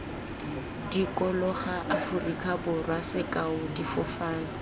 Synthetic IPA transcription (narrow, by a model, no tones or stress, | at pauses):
dikʼɔlɔχaʔafʊrikʰabʊrwasɪkʼaʊdifʊfaːŋ̩